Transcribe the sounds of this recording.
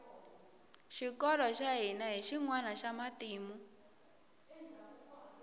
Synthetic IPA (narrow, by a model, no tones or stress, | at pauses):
ʃikɔɾɔʃaɦinaɦiʃiŋwanaʃamatiːmu